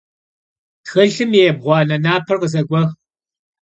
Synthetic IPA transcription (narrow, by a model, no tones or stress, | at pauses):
txɐɬɨmjeb̚ʁʷɑːnɐnaːpʰɐrqəzɐɡʷɔx